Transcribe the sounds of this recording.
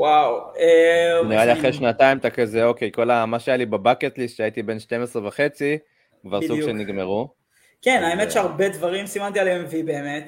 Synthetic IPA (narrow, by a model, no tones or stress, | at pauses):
waweaniʁaliaχʁeʃnat̪aimt̪akazeo̞kejko̞lamaʃeajalibebaket̪lisʃeait̪ibe̞nʃte̞mesʁevaχe̞t͡si | kvaʁsuɡʃeniɡmeʁu | kenaemet̪ʃeaʁbedvaʁimsimant̪ialeemvibe̞ːmet̪